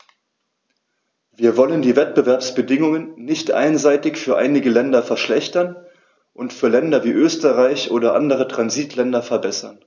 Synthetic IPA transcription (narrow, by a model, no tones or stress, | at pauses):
viːɐvɔləndiːvɛt̚b̥əvɛɐpsb̥ədɪŋʊŋənːɪçtʔa̰ɪnzaɪtɪçfyːɐʔa̰ɪnɪɡəlɛndɐfɛɐʃlɛçtɐn | ʔʊntfyːɐlɛndɐviːʔøːstəʁaɪçʔoːdɐʔa̰ndəʁ̞ətʁ̥anziːtʰlɛndɐfɛɐbɛsɐn